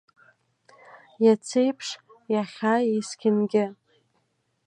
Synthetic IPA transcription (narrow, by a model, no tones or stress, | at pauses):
jat͡sʰejpʰʂ | jaχʲajeskʲʰɪnɡʲɪ